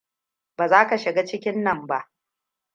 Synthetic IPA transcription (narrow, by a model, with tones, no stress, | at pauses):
baː˨zaː˦ka˨ʃɪ˨ɡaː˦t͡ʃɪ˦kʲɪ˦nːɐ˦˨mba˦ʔ